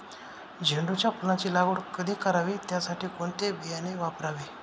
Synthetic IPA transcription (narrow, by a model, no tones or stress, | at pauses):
d͡ʑʱeɳɖut͡ɕjapulat͡ɕiːlaɡoɽkəd̪ʱiːkəɾaʋit̪jasaʈiːkoɳt̪ebijaneʋapɾaʋe